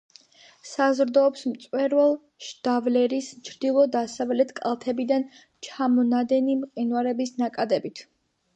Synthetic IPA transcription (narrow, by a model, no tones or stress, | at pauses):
sazɾd̪ɔːpsmt̪sʼwɛɾvɛlˠ | ʃd̪̥avlɛɾist͡ʃʰɾd̪ilˠɔd̪asavlɛt̪ʰkʼa̰lˠt̪ʰɛbid̪an | t͡ʃʰamɔnad̪ɛnimqʼinwaɾɛbisnakʼad̪ɛbit̪ʰ